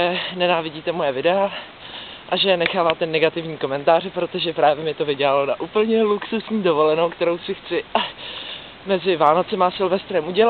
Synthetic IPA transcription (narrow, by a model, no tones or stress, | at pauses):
ɛnɛnaːvɪɟiːt̪ɛmojɛvɪdɛa | ʔaʒɛnɛxaːvaːt̪ɛnɛɡat̪ɪvɲiːko̞mɛnt̪aːrɛpɾo̞t̪o̞ʒɛpɾaːvjɛmɪt̪o̞vɪɟɛlalo̞naʔupl̩ɲɛluksusɲiːdo̞vo̞lɛnowkt̪ɛɾowsɪxt͡sɪʔa | mɛzɪvaːno̞t͡sɛmasɪlvɛst̪ɾɛmʔuɟɛla